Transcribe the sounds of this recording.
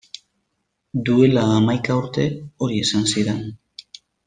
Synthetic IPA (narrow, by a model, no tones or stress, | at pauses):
d̪ue̞laːmajkauɾt̪e̞o̞ɾie̞sansiɾe̞n